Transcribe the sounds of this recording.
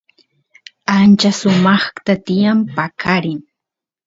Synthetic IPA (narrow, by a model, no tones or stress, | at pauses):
ant͡ʃasʊmɑχt̪at̪ɪjampakʰaɾɪŋ